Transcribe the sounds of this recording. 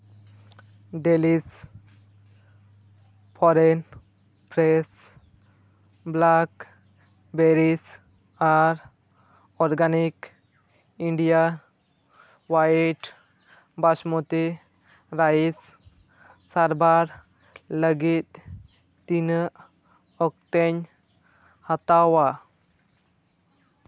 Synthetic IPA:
ɖelis | pʰɔɾɛn | pɾɛs | blak | beɾis | aɾ | ɔɾɡanik | iɳɖija | waʈ | basmɔt̪i | ɾais | saɾbaɾ | ləɡit̪̚ | t̪in | ɔk̚t̪ɛɲ | hat̪awa

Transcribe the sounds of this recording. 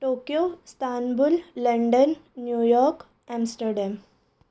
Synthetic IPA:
ʈoːkjost̪ʰaːnbulːəɳɖənːjuːjɔːɾk | amsʈəɾɖɛm

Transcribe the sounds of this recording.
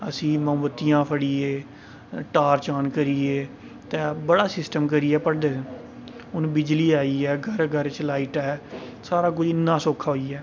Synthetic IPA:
əsĩːmə̃ːmət̪ːijãːpʰəɽiːeː | ʈaːɾt͡ʃaːnkəɾiːeː | t̪ẽːbəɽaːsɪsʈəmk̬əɾiːɛːpəɽd̪ẽː | ʊnbɪd͡ʒliːaːiːɛːɡʱəɾɡʱəɾt͡ʃlaːiʈɛː | saːɾaːk̬ʊd͡ʒɪnːãːsoːkʰːaːɦoːiːɛː

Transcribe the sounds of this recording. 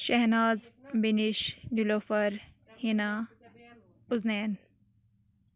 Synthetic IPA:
ʃɐɦnaːzbiniʃduloːfɐɾ | hinaː | ʊzneːn

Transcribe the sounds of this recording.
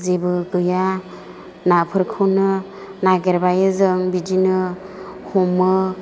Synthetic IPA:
zebɯɡɯja | napʰɯɾkʰɯwnɯ | naɡeɾbajɯzɯŋbid͡ʒinɯ | hɔmːɯ

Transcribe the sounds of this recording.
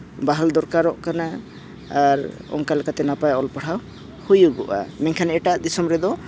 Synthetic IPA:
baɦald̪ɔɾkaɾɔʔkanaː | ɾɔ̰ŋkalɛkat̪ɛnapajɔlpəɽ̤ʰaw | hujuɡɔʔa̰mɛŋkʰanɛʈaʔd̪isɔmɾɛd̪ɔ

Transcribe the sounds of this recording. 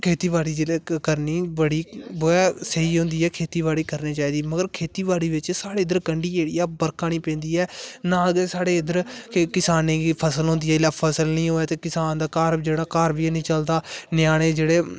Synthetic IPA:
kʰeːt̪iːbaːɽiːd͡ʒeːeːkəɾniːbəɽiːboːɛːsəɦiːɦʊ̃nd̪iːɛːkʰeːt̪iːbaːɽiːkəɾniːt͡ʃaːiːd̪iːməɡəɾkʰeːt̪iːbaːɽiːʋɪt͡ʃsaːɽeːɪd̪əɾkəɳɖiːd͡ʒeːɽijaːbəɾkaːnĩːpɛ̃ːnd̪iːɛːnãːəɡeːsaːɽeːɪd̪əɾkkɪsaːneːɡiːpʰəsəlɦõːnd̪iːɛːɪlapʰəsəlnĩːɦoːɛːt̪eːkɪsaːnd̪aːkaːɾd͡ʒeːɽaːkaːɾbiːnĩːt͡ʃəld̪aːnjaːɽ̃eːd͡ʒeːɽeː

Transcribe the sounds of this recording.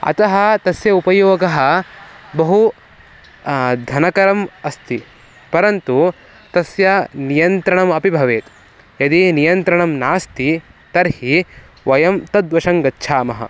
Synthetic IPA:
ɐ̰t̪ɐɦɐt̪ɐsjɐupɐjoːɡɐɦɐ̆bɐɦu | d̪ʱɐnɐkɐɾɐmɐst̪i | pɐɾɐnt̪u | t̪ɐsjɐnijɐnt̪ɾɐɳɐmɐpibʱɐʋeːt̪ | jɐd̪inijɐnt̪ɾɐɳɐmnaːst̪it̪ɐɾhi | ʋɐjɐmt̪ɐd̪ʋɐʃɐŋɡɐtːʃʰaːmɐɦɐ̰

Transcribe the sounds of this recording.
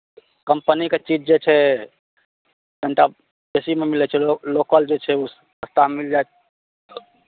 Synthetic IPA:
kəmpəniket͡ʃid͡ʒd͡ʒet͡ʃʰɛ | ɡʱəɳʈa | besimemilɛt͡ʃʰɛlokəld͡ʒet͡ʃʰɛus | əst̪amild͡ʒaet̪̚

